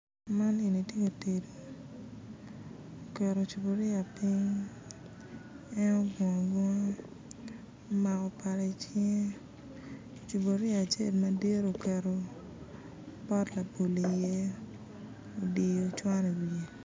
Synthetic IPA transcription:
ma˦ni˨ni˨tje˦ko˨te˨do˨ | o˨kɛ˨ɾo˨t͡ʃu˨bo˨ɾjɪ˦a˨pi˦ŋ | ɛ˦nɔ˦ɡɔ̃˨ɡwɔ˦ŋ˦ | ma˨kɔ˨pa˨ɾa˨t͡ʃe˦ŋ˦ | t͡ʃu˨bo˨ɾja˨t͡ʃe˦˨lma˦de˦ɾo˨kɛ˨ɾo˨ | pɔ˦tla˨po˨li˨je˦ | o˨di˨jo˨t͡ʃwa˦ne˨be˨

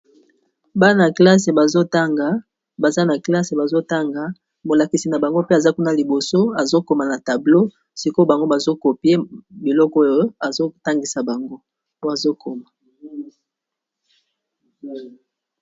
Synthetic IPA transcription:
ba˦na˨kla˦s̬e˨ba˨zo˦ta˦ŋɡa˨ | ba˨za˦na˨kla˦se˨ba˨zo˦ta˦ŋɡa˨ | mo˨la˨ki˨si˨na˨ba˨ŋɡo˦pe˦a˨za˦ku˦na˨li˨bo˨so˦a˨zo˦ko˨ma˨na˨ta˨blo˦ | si˨ko˦ba˨ŋɡo˦ba˨zo˦ko˨pje˦bi˨lɔ˦kɔ˦jo˨a˨zo˦ta˦ŋɡi˨sa˨ba˨ŋɡo˦ | o˦a˨zo˦kʰo˨ma˨

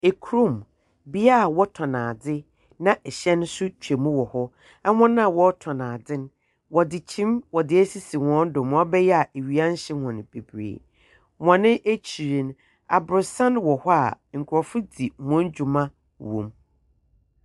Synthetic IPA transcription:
e˨kʰu˨ɾo˦˨m | bi˦a˦˨wɔ˦tʰɔ˨nãː˨dɪ˦ | nã˦ʔɛ˨ɕɛ̃˦n˦sʊ˦t͡ɕᶣe˨mũ˦wɔ˨hɔ˦ | ɛ˦hɔ̃˦nã˦˨wɔ˦tʰɔ̃˨nãː˨dɪ̃˦n | wɔ˨dɪ˨t͡ɕʰĩ˦mwɔ˨dɪ˨æ˦si˦si˨wɔ̃˦n˦dʊ̃˨m˨ɔ̃˦bɛ˦jɛ˦a˨ʔe˨ɥi˨ã˦n˦ɕɪ˦hɔ̃˨ñ˨b̥e˨bɾḛː˨ | wɔ̃˨nɪ̃˦ʔe˦t͡ɕʰi˨ɾĩ˨n˨ | a̰˨bʊ˨ɾsã˦nwɔ˨hɔ˦a̰˨ŋ̩˨kʰʊ˨ɾɔ˨fʊ˦di˨wɔ̃˨˦n˦d͡ʑᶣu˨mã˦ | wõ̰˨m

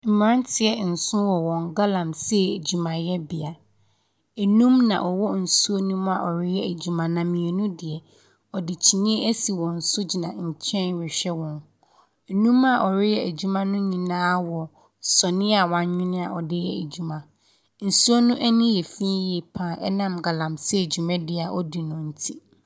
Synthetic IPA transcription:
m̩˨m˨ɾã˦n˦tʰɪ˨ɛ˨n̩˨sʊ̃˦wɔ˨wɔ̃˨ŋɡa˦lã˨msɛ˦˨æ˨d͡ʑu˨mã˨jɛ˦bɪ˨a˨ | ɛ˨nũ˦mnã̰˨ʔɔ˨wɔ˦n̩˨su˦o˦nũ˦ma˨ʔɔ˨ɾɪ˦jɛ˦æ˨d͡ʑᶣu˦mã˨nã˨mĩ˨ɛ˨nũ˦dɪ˨ɛ˨ | ɔ˨dɪ˨t͡ɕʰi˨nĩ˦ɛ˦ʔæ˦si˨wɔ̃˨n̩˨sʊ˦d͡ʑi˨nã˨ɲ̩˨t͡ɕʰɛ̃˦nɥɪ˨ɕᶣɛ˦wɔ̃˨n˨ | nũ˦ma˨ʔɔ˨ɾɪ˦jɛ˦æ˨d͡ʑu˦mã˦nʊ̃˦ɲĩ˨nãː˦wɔ˨ | sɔ˨nɪ̃˦a˨wã˦ɲ˦ɲɪ̃˦nɪ̃˦a̰˨ʔɔ˨dɪ˦jɛ̰˦æ˨d͡ʑu˦mã˦ | n̩˨su˦o˦nʊ̃˦ʔɛ˦nĩ˦jɛ˨fĩ˦jɛ˨pʰãː˨ʔɛ̰˦nã˦mɡa˨lã˨msɛ˦˨d͡ʑᶣu˨mɛ̃˦dɪ˨a˨ʔɔ˦di˨nʊ̃˨n̩˨tʰi˦

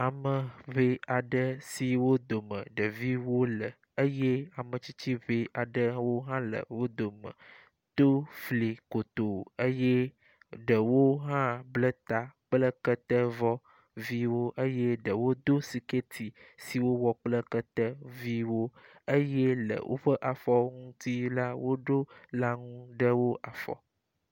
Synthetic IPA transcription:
a˨mə˨βe˦a˨ɖə˦si˨wo˦d̪o˨mə̰̃˨ɖə˨vi˦wo˦lə˨ | e˦je˦a˨mə̃˨t͡ɕi˦t͡ɕi˦βe˦a˨ɖə˦wo˦ɦã˦lə̰˨wo˦d̪o˨mə̰̃˨ | t̪o˦fli˨ko˨t̪o˨e˦je˦ | ɖə˨wo˦ɦã˦blə˦t̪a˨k͡plə˦kə˦t̪ɛ˦vɔ˦ | vi˦wo˦ʔe˦je˦ɖə˨wo˦d̪o˦si˨ke˦t̪ʰi˨si˨wo˦wɔ˦k͡plə˦kə˦t̪ɛ˦vi˦wo˦ | e˦jɛ˦lə̰˨wʔo̰˦ɸə˦ʔa˨fɔ˦ŋũ˦t̪i˦la˦wo˦ɖo˦la˦ŋũ˦ɖə˦wo˦ʔa˨fɔ̰˨

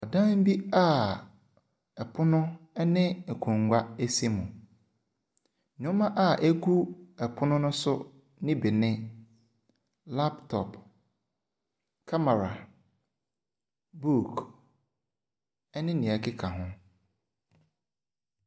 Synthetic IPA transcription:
ɔ˨dã˦m˦bi˦a˦ | ɛ˨pʰʊ˦nʊ̃˦ɛ˦nɪ̃˦ɛ˨kʰũ˨ŋɡʷa˦e˦si˦mũ˨ | ʊ̃˦mã˦ʔa˦˨ʔe˦ɡu˦ɛ˨pʰʊ˦nʊ̃˦nʊ̃˦sʊ˦ | nɪ̃˦bɛ˨nɪ̃˦ | la˦ptʰɔ˨p | kʰa˦ma˨ɾa̰˨ | bu˦˨k | ɛ˦nɪ̃˦nĩ˨a˨kʰɪ˦kʰa˨ɦʊ̃˦

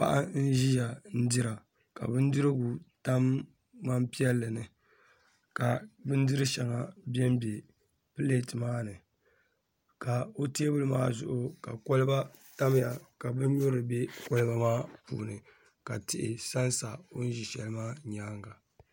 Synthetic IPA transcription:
pa̰˦ʔa˦n̩˦ʒi˦ja˨n̩˦dɨ˦ɾa˨ | ka̰˨bɨ˦n˦dɨ˦ɾɨ˦ɡu˨ta˦mː | a˦mpi˦ɛ˦lːɨ˨nɨ˨ | ka˨bɨ˦ndɨ˦ɾɨ˦ʃɛ˨ŋa˨bɛ˦m˦be˨ | pɨ˦le˦tmaː˦nɨ˨ | ka˨o˦te˦bɨ˦lɨ˦maː˦zʊ̰˦ʔʊ˦ka̰˨ko˦lɨ˦ba˦ | ta˦m˦ja˨ka˨bɨ˦ɲ̩˦ɲo˦ɾɨ˨be˦ko˦lɨ˦ba˦maː˦pṵː˨nɨ˨ | ka˨tɪ˦˨ʔɪ̰˨sa˦nsa˨o˦n̩˦ʒi˨ʃɛ˨lɨ˦maː˦ɲaː˦ŋɡa˨

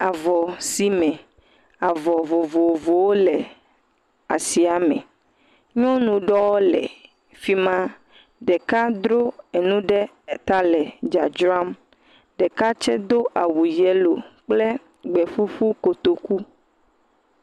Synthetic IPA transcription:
a˨vɔ˨si˦mɛ̃˨ | a˨vɔ˨vo˨vo˨vo˨wo˦lɛ˨ | a̰˨si˨a˨mɛ̰̃˨ | ɲɔ̃˦nũ˨ɖɔ˦wɔ˦lɛ̰˨ | fi˦mã˦ | ɖɛ˨ka˦d̪ɾo˦e˨nũ˦ɖɛ˦˨ | t̪a˦lɛ˨d͡ʒa˨d͡ʒɾa˦m | ɖɛ˨ka˦t͡ʃɛ˦d̪o˦ʔa˨wu˨jɛ˦lo˨k͡plɛ˦ | ɡ͡bɛ˨ɸu˦ɸu˦ko˨t̪o˨ku˦

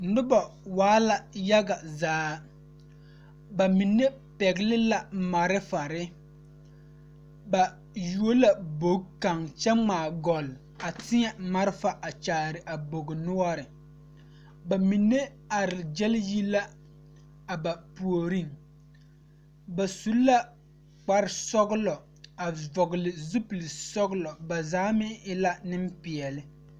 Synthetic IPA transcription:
nʊ˦ba˨waː˨˦la˨ja˦ɡa˨zaː˨˦ | ba˨mi˨nːe˦ | pɛ˨ɡɪ˦lɪ˦la˨ma˨ɾɪ˦fa˨ɾɪ˦ | ba˨ | ju˨o˦la˨bo˨˦ɡka˨ŋt͡ʃɛ˦ŋ͡maː˨ɡɔ˨l | a˨tɪ˦ɲɛ˨ma˦ɾɪ˦fa˨ʔa˨t͡ʃaː˨ɾɪ˨ʔa˨bo˨ɡɪ˨nʊ˦ɔ˦ɾɪ˨ | ba˨mi˨nːe˦ | a˨ɾɪ˨d͡ʒɛ˦lji˦la˦ | a˨ba˨pu˨o˨ɾi˦˨ŋ | ba˨su˨˦lːa˦ | k͡pa˦ɾɪ˨sɔ˦ɣʊ˦lɔ˨ | a˨vɔ˨ɡɪ˨lɪ˨zu˦plɪ˨sɔ˦ɡʊ˦lɔ˨ba˨zaː˦mɪ˦ɪ˦la˦nɪ˦m˦pɪ˨ɛ˨lɪ˦

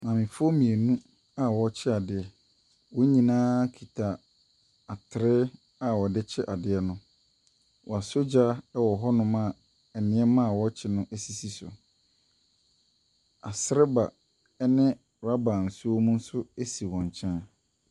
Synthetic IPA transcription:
mã˨mɪ̃˨fɔ˦mĩ˨e˨nũ˦ | a˨wɔ˨˦t͡ɕʰɪ˦a˨dɪ˨ɛ˨ | wɔ˦ɲĩ˨nãː˦kʰi˨tʰa˨ | a˨tʰɪ˨ɾɪ˦ | a˨wɔ˨dɪ˦t͡ɕʰɪ˦ʔa˨dɪ˨ɛ˨nʊ̃˦ | wɔ˨a˨so˦d͡ʑa˦ɛ˦wɔ˨ɦɔ˦nʊ̃˦mã˦˨ | ɛ˨nɪ̃˨˦ɛ˦mã˦˨wɔ˦t͡ɕʰɪ˦nʊ̃˦ʔæ˦si˨si˦sʊ̰˨ | a˨sɪ˦ɾɪ˦ba˨ | ɛ˦nɪ̃˦ | ɾa˦ba˨n̩˨su˦o˦mũ˦n̩˦sʊ˦e˦si˨wɔ̃˨ɲ˨t͡ɕʰɛ̃˦n

